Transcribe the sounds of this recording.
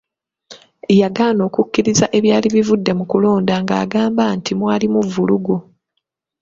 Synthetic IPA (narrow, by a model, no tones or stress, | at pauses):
jaɡaːno̞ːkukːiɾizaʔe̞βjaːliβivudːe̞mukulo̞ːndaŋɡa̰ːɡaːmbantimwaːlimuvuluɡo